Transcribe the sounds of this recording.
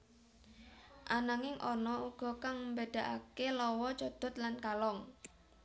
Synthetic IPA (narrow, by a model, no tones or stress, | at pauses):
ʔanaŋɪŋʔɔnɔuɡ̥ɔ̤kaŋmbeɖ̪̥a̤ʔa̰kelɔwɔt͡ʃɔd̪̥ɔ̤t̪lankalɔŋ